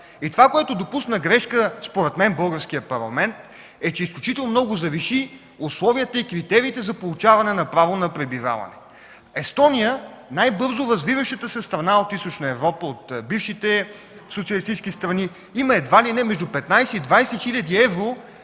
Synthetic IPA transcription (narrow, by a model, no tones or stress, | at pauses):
it̪ovakoɛt̪ʊd̪opusnəɡɾɛʃkəspoɾɛt̪mɛnbɤlˠɡəɾskijəpɐɾlˠɐ̰mɛnt̪ | ɛt͡ʃɛisklʲut͡ʃit̪ɛlˠnomnɔɡʊzɐviʃi | ʊslˠɔviət̪əikɾit̪ɛɾiːt̪ɛzɐpolˠut͡ʃavɐnɛnɐpɾavonɐpɾɛbiva̰vɐ̰nɛ̰ | ɛst̪ɔnijənajbɤɾzʊɾɐzvivəʃət̪əsɛst̪ɾɐnaot̪ist̪ot͡ʃnəɛvɾɔpəot̪bifʃit̪ɛ | sot̪siəlist̪it͡ʃskʲist̪ɾɐni | iməɛd̪valinɛmɛʒd̪ʊpɛt̪najsɛid̪vajsɛxilʲɐd̪iɛvɾo